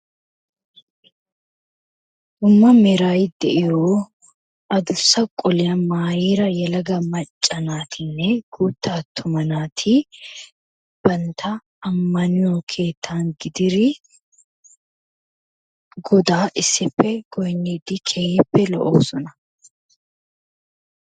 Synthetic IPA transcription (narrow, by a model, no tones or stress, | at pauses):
ʊmːɐmɛɾaːjɪd̪ɛʔɪɾoː | ʔɐd̪ʊsːɐkʼɔlɪjɐmaːjiːɾɐjɛlɐɡɐmɐt͡ʃʼːɐnaːt̪ʰɪnːɛɡ̥uːt̪ʰːaːt̪ʰʊmɐnaːt̪ʰɪ | b̥ɐnt̪ʰɐː | mːɐnɪjɔkʰe̞ːt̪ʰːaːŋɡɪd̪ɪɾɪ | ɡɔd̪aːʔɪsːɪpʰːɛɡ̥ɔjnːeːd̪ɪkʰeːjɪpːɛlɔ̰ʔoːsɔnɐ